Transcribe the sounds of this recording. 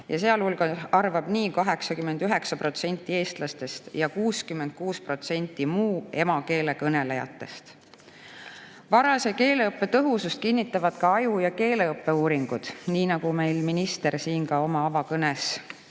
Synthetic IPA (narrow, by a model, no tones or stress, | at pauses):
jɑseɑlhulɡ̥ɑɑrvɑb̥niːkɑɦe̞ksɑkymːe̞nd̪yɦe̞ksɑpro̞t̪se̞nʲt̪ːˑie̞ːst̪lɑst̪e̞st̪jɑkuːskymːe̞nd̪̥̚kuːspro̞t̪se̞nʲt̪ˑːimuːe̞mɑke̞ːle̞kɤne̞le̞jɑ̰t̪ːˑe̞st̪ | vɑɾɑse̞ke̞ːle̞ɤpːe̞t̪ɤɦusust̪̚kinːit̪ːˑɑvɑd̪̥kɑɑjujɑke̞ːle̞ɤpːe̞uːɾiŋɡ̥ud̪̥niːnɑɡ̥ume̞jlminist̪e̞ɾsiːnkɑo̞mɑɑvɑkɤnes